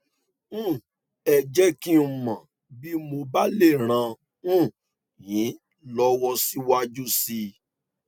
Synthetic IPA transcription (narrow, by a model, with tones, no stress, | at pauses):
ũ˦˨ | ɛ˨d͡ʒɛ˦ki˦u˨mã˨ | bi˦mo˧ba˦le˦˨ɾ̃ã˧ | ũ˦˨ | jĩ˨˦ | lɔ˦wɔ˧si˦wa˦d͡ʒu˦si˧